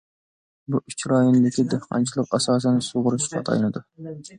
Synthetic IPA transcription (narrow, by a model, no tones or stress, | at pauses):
buʔyt͡ʃʰɾɑjonɨd̪ɪkʲʰid̪ehqʰɑ̰nt͡ʃʰilˠəqɑsɑːs̬ɛnsoʁʊɾuʃqʰɑ̰t̪ʰɑ̰jnɨd̪ʊ